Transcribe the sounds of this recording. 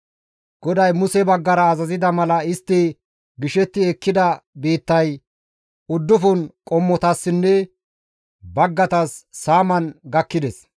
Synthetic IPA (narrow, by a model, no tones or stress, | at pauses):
ɡ̥ɔd̪ɐjmʊsɛbɐɡːɐɾɐːzɐzɪd̪ɐmɐlɐɪst̪ːɪ | ɡɪʃɛt̪ːɪɛkːɪd̪ɐbeːt̪ːɐj | ʊd̪ːʊfʊnkʼɔmːɔt̪ɐsːɪnːɛ | bɐɡːɐt̪ɐsːaːmɐnɡɐkːɪd̪ɛs